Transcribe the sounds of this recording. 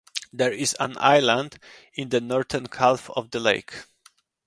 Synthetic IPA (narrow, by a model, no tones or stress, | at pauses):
d̪ɛɹɪzə̰̃na̰jlãnd | ɪ̃nd̪ənɔɹt̪ənkʰalˠfɔ̰vd̪əlḛɪk